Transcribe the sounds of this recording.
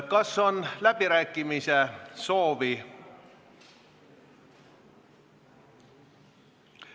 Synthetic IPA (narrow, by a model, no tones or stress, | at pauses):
kɑso̞nlæb̥iɾæːkːˑimiseso̞ːvi